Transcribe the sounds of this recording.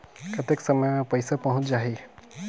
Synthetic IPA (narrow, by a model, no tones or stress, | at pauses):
kət̪eksəməjmẽpəjsapaɦũt͡ʃd͡ʒaɦi